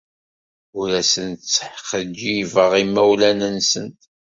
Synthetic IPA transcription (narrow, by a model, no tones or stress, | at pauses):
ʊɾæsənt̪t͡sːəħχəd͡ʒːivəʁimːæwlænənsənt̪